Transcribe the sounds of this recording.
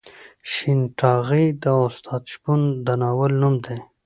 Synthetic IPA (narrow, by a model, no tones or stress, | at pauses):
ʃinʈɑɣid̪əʊst̪ʰɑd̪ʃbund̪ənɑwəlnumd̪e